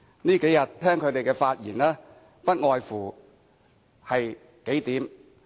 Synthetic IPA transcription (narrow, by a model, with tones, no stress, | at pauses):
niː˥ke˨˥jɐ˨t̚t̪ʰːɛː˥ŋkʰɵ˨˧ɥt̪e˨jkɛː˧faː˧t̚jḭː˨˩nlɛː˥ | pɐ˥t̚ŋɔː˨jfuː˨˩ | hɐ˨j | ke˨˥jt̪iː˨˥m